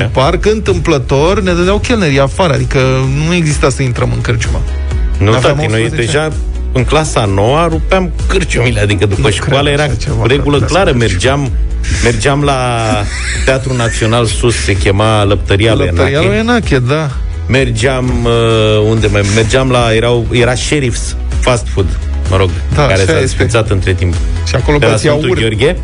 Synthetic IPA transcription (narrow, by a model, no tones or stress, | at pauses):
parkɨnt̪ɨmplət̪o̞rned̪əd̪eawkʲelnəɾiafaɾəad̪ikənue̞ɡzist̪asəint̪ɾəmɨŋkɨrt͡ʃuma̰ | nuavt̪aamiojd̪eʒa | ɨŋklasano̞waɾupeam | kɨrt͡ʃumilead̪ikəd̪upəʃkwalajeɾaeɾeɡuləklaɾəme̞rd͡ʒam | me̞rd͡ʒeamla | t̪eat̪ɾunat̪sio̞nalsusse̞kʲe̞maləp̚t̪əɾialujenaɾiaelujenakʲed̪a | me̞rd͡ʒeaməund̪e̞mame̞rd͡ʒamlaje̞ɾawje̞ɾaʃeɾifs | fast̪fud̪ | məɾo̞ɡ | d̪akaɾessasfit̪sat̪ɨnt̪ɾe̞t̪imp | ʃiakoloelasent̪uorɡʲe